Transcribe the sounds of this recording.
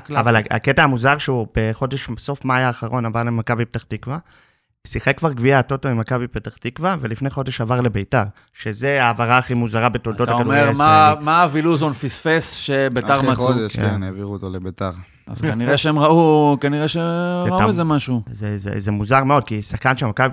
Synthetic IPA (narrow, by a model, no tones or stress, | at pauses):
lavalaa̰ketaamuzaʁʃeubeχo̞de̞ʃso̞fmajaːχaʁo̞navaʁlemakabibet̪aχtikva | siχekːvaʁɡviato̞toimakabibet̪aχtikvave̞lifnejχodeʃavaʁle̞bejtaʁ | ʃezeaːvaʁaːχimuzaʁabetold̪otaɡaumeʁmamaːviluzonfisfesʃebetaʁmaodeʃkḛneviʁuot̪olebetaʁ | a̰zkaniʁeʃeemʁaukaniʁeʃeʁauezemaʃuzezḛzemuzaʁme̞o̞d̪̚kisaχkanʃemakabi